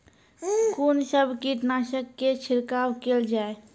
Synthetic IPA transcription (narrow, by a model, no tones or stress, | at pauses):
kunsəbkiʈnaːʃəkːet͡ʃʰɪɾkaːwkeld͡ʒaːe